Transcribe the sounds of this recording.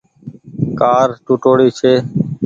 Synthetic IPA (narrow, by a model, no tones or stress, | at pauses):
kaːɾʈuʈoːɽiːt͡ʃʰeː